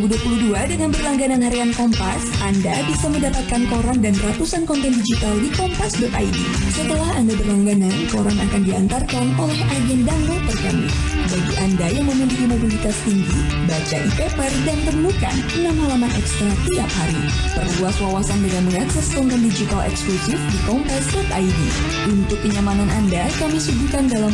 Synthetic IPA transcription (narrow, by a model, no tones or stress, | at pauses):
buduapuluduadəŋanbərlaŋɡananhaɾiankɔmpasandabisaməndapat̪̚kankoɾaŋdanrat̪usankɔnt̪ɛndid͡ʒit̪aldikɔmpasdɔt̪aidḭ | sət̪əlahandabərlaŋɡanankoɾaŋakandiant̪arkanolɛhad͡ʒɛndanlɔp̪ərkamḭbaɡiʔandajaŋməmilikimobilit̪ast̪iŋɡibat͡ʃaʔipepərdant̪əmuka̰nənamalamahʔɛkst̪ɾat̪iap̚haɾi | pərluaswawasandəŋanməŋaksɛsɔŋt̪ɛndid͡ʒit̪alɛ̰ksklusɪfdikɔmpasdɔt̪a̰idḭ | ʔunt̪ʊkːəɲamananʔandakamdisud͡ʒukandalam